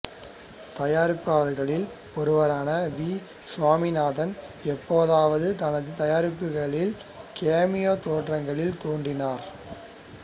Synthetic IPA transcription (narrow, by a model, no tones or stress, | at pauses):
t̪ɐjaːɾɪpːaːɐɾɣɐɭɪl | ɔɾɯʋɐɾaːnɐʋiː | sʋaːmɪnaːðɐnɛpːoːðaːʋɐðɯt̪ɐnɐðɯt̪ɐjaːɾɪpːɯɣɐɭɪl | keːmɪjoːt̪oːʈrɐŋɡɐɭɪlt̪oːndrɪnaːɾ